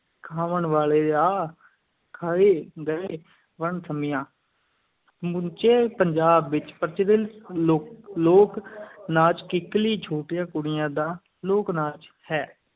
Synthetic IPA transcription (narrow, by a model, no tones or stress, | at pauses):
kʰaːʋəɳʋaːleːaː | kʰaːeːɡəeː | ʋəɳsʰəmɪjãː | mʊnt͡ʃeːpəɲd͡ʒaːbʋɪt͡ʃpəɾt͡ʃəɾɪloloːknaːt͡ʃkɪkliːt͡ʃʰoːʈɪjãːkʊɽɪjãːd̪ãː | loːknaːt͡ʃ | hɛː